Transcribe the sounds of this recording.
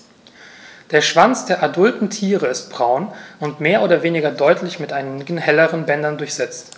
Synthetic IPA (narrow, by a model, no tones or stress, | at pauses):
d̥eːɐʃv̥ant͡sd̥eːɐʔadʊltn̩tʰiːʁəɪst̚b̥ʁaʊnʊntmeːɐʔoːɾɐveːnɪɡɐdɔʏtʰlɪçmɪtʔaɪnɡn̩hɛləʁənbɛndɐndʊɐçz̥ɛt͡st